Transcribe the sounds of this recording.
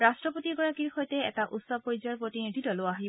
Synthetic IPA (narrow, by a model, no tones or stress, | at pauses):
ɹastɹɔpotiɡɔɹakiɹxojtɛɛ̰taʔutsɔb̚pɔɹizaɹpɹotinid̪ʱitɔloaɦi